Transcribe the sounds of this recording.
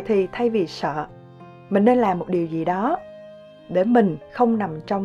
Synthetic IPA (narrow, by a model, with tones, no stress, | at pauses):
jt̪ʰi˨˩t̪ʰa˧jvi˨˩sə̰ː˧˨ | mï˨˩ŋ̟ːne˧nlaː˨˩mːo˨˩t̚ɗi˨˩əwzi˨˩ɗɔ˨˦ | ɗe˧˩mï˨˩ŋ̟xə˧wŋ͡mna˨˩mt͡ɕɔ˧wŋ͡m